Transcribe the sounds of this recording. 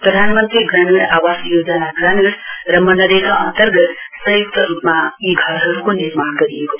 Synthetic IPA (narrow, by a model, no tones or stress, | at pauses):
pɾəd̪ʱaːnmənt̪ɾiɡɾamiɽaʋasjoːd͡ʒanaɡɾaːniɽɾəmːənəd̪ekʰaənt̪əɾɡət̪səjik̚t̪əɾuːpmãiɡʱəɾəɾkoniɾmankəɾijeɡo